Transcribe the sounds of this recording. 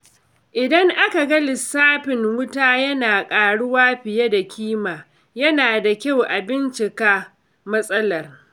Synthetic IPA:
ʔɪ˨dɐ˦ŋʔa˦ka˨ɡɐ˦lɪ˨sːaː˦ɸɪ˨ŋwʊ˦taː˦jɐ˦naː˨kʼaː˨ɽʊ˦waː˦ɸɪ˨je˦da˨kʲʰiː˦maː˨ | jɐ˦naː˨da˨kʲa˦˨wʔa˨bɪ˦nt͡ʃɪ˨kaː˦ | mɐ˦sʼɐ˦lɐ˨r

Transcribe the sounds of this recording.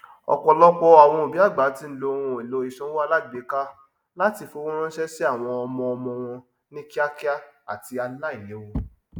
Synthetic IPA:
ɔ̰˧˨k͡pɔ˧lɔ˦k͡pɔ˦a˨w̃ɔ̃˧o˨bi˨˦a˦˨ɡ͡ba˨˦ti˧˦n̩˦lo˧ɾ̃ũ˧˨e˨lo˨˦i˨ʃɔ̃˦wo˦a˧la˦˨e˨˦ka˦ | la˦ti˧fo˨˦ũ˦ɾ̃ɔ̃˦ʃɛ˦si˦a˦˨w̃ɔ̃˧ɔ˧mɔ̃˧ɔ˧mɔ̃˧w̃ɔ̃˧ | nĩ˦ki˦a˦ki˦a˦a̰˨ti˧a˧la˦i˦˨le˨˦wo˧

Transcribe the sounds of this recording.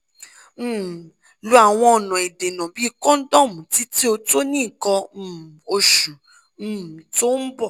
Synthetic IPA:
lu˨˦a˨w̃ɔ̃˧ɔ˨nɔ̃˨i˨de˨nã˨bi˨˦˧kɔ̃˦n̩˦dɔ̃˦˨mũ˨ti˦ti˦o˧to˦nĩ˦˨kɔ̃˧˦˨o˧ʃũ˨˦˨ | to˦n̩˦bɔ˦˨

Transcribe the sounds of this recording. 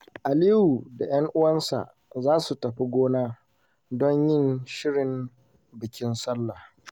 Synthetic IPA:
ʔa˨liː˦ju˨da˨jɐ˦ŋʔʊ˦wɐ˦nsa̰˨ʔ | zaː˦su˨tɐ˨ɸi˦ɡʷoː˦naː˦ | dɔ˦ɲjɪ˦˨nʃɪ˦ɽɪ˨m | bɪ˨kʲɪ˦nsɐ˦lːa˨

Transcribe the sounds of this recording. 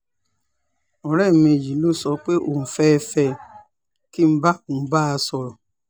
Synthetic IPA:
ɔ̃˨ɾɛ˦˨mĩ˧˨ji˨˦lo˦˨sɔ˧k͡pe˦ʔo˦˨n̩˨fɛ˦˧fɛ˧ | ki˦m̩˦ba˦o˨˦ba˦a˧sɔ˧ɾɔ˨

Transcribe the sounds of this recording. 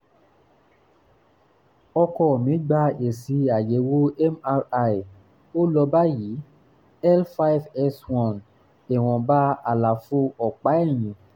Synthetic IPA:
ɔ˧kɔ˧˨mĩ˨˦ɡ͡ba˧e˨si˨˧˦a˨je˨˦wo˦ɛ˦ma˧a˧˨ | o˦lɔ˧ba˦ji˨˦ | ɛ˦lfa˦jvɛ˧swɔ̃˨n | e˨w̃ɔ̃˨ba˦a̰˨la˨fo˧˦ɔ˨k͡pa˨˦ɛ˦˨j̃ĩ˨˦

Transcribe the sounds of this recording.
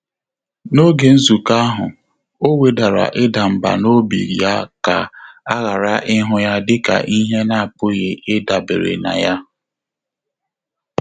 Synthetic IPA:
no˦ɡe˨n̩˦zu˨ka˦ɦʊ˨ | o˦we˨da˨ɾa̰˨ʔɪ˦da˨m̩˨ba̰˨no˦bḭ˨ɾja˦ka̰˨a˦ɣa˨ɾa˦ʔɪ˦ɦʊ˦ja˦dɪ˦ka̰˨ʔi˦ɦe˦na˦a˨pʊ˦ɣe˨ʔɪ˦da˨bḛ˨ɾḛ˨na̰˨ja˦

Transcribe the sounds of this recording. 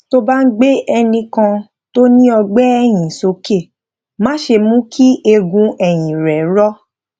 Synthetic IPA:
to˦ba˦n̩˦ɡ͡be˦ɛ˧nĩ˧kã˧ | to˦nĩ˦ɔ˧ɡ͡bɛ˦ɛ˧j̃ĩ˨so˨˦ke˦˨ | mã˦ʃe˧mũ˦kʰi˦ʔe˧ɡũ˧ɛ˨j̃ĩ˨ɾɛ˨˦ɾɔ˦

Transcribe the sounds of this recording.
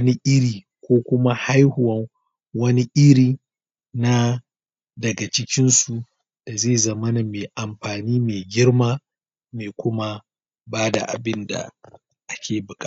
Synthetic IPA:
ni˦ʔɪ˦ɾiː˨ | kʷoː˦kʷʊ˦ma˦ha˦jhʊ˨wɐ˦ŋ | wɐ˦ni˦ʔɪ˦ɾiː˨ | na˦ | dɐ˨ɡa˨t͡ʃɪ˦kʲɪ˦nsu˨ | d̥a˨zeː˦˨zɐ˨mɐ˦na˨meː˨ʔa˨mɸaː˨niː˦meː˨ɡʲɪ˦ɽmaː˦ | meː˨kʷʊ˦ma˦ | baː˦da̰˨ʔa̰˨bɪ˦nda̰˨ | ʔa˦kʲʰeː˨bʊ˨kʼaː˦˨

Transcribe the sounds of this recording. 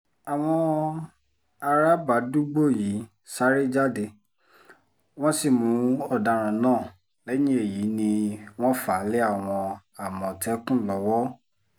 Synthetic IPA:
a˨w̃ɔ̃˧ | a˧ɾa˦ba˨du˦ɡ͡bo˦˨ji˨˦ | sa˦ɾi˦d͡ʒa˦de˧˨ | w̃ɔ̃˦si˦˨mũ˨˦ɔ˦˨da˨˧˨ɾ̃ã˨nãː˦˨ | lɛ˨˦jĩ˦e˦˨ji˨˦nĩ˧w̃ɔ̃˦faː˨˦le˦a˦˨w̃ɔ̃˧ | a˨mɔ̃˨tɛ˦kũ˦˨lɔ˧wɔ˦

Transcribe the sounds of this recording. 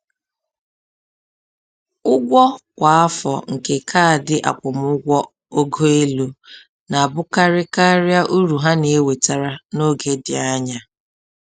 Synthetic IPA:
ʊ˦ɡʷɔ˦kʷa˨a˦fɔ̰˨ŋ̩˨ke˨kʰaː˦˨dɪ˦ʔa̰˨kʷʊ˨m˦ʊ˦ɡʷɔ˦ | o˦ɡo˦e˦lu˦ | na˨a˨bʊ˦ka˦ɾɪ˦ka˦ɾɪ˦a˦ʔu˦ɾu˨ɦa˦ne˨e˦we˨ta˨ɾa˨no˦˨ɡe˨dɪ˨a˦ɲa˦

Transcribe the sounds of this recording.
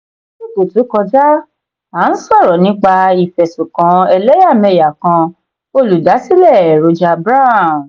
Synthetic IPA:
o˨to˨tũ˨˦kɔ˧d͡ʒa˦ | a˨˦n̩˦sɔ˦˨ɾɔ˨nĩ˦k͡pa˧i˨fɛ˨sũ˨kã˨˦ɛ˧lɛ˦ja˦˨mɛ˧˨ja˨kã˧ | o˧lu˨da˨˦si˦lɛ˦˨ɾo˨˧d͡ʒa˧bɾa˦˨

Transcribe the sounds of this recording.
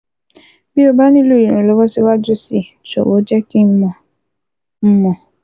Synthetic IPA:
bi˦o˦ba˦nĩ˦lu˦˨i˨ɾẽ˨lo˨˦wɔ˦si˦wa˦d͡ʒʊ˦si˨ | t͡ʃɔ̰˨wo˨˦d͡ʒɛ˦ki˦mɔ˨ | m̩˦mɔ̃˨

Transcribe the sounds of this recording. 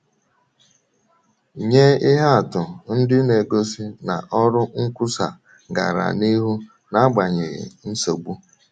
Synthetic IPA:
ɲe˦ɪ˦ɦa˦a˨tʊ˨n̩˦dɪ˦ne˨ɡo˦si˦na˨ʔɔ˦ɾʊ˦ŋ̩˦kʷʊ˦sa˨ | ɡa̰˨ɾa̰˨ni˦ɦu˦ | na˦ɡ͡ba˨ɲe˨ɣɪ̰˨n̩˦so˨ɡ͡bu˦

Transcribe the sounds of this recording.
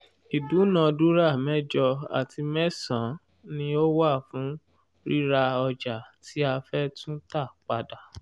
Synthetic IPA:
i˨du˨˦nã˨du˦ɾa˦˨mɛ̃˦d͡ʒɔ˧a̰˨tʰi˧mɛ̃˦sã˨˦ | nĩ˧o˦wa˦˨fũ˨˦ | ɾi˦ɾa˧ɔ˧d͡ʒa˨tʰi˦a˧fɛ˦tũ˦ta˦˨k͡pa˧da˨

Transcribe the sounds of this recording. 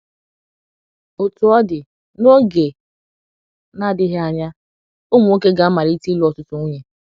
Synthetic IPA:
o˨tʊ˨ɔ˦dɪ˨ | no˦ɡe˨ | na˦dɪ˦ɦa˨ɲa˦ | o˦mu˨˦o˦ke˦ɡa˨˦ma˨ɾi˦ti˦lʊ˦ɔ˨tʊ˦tʊ˦o˦ɲe˨

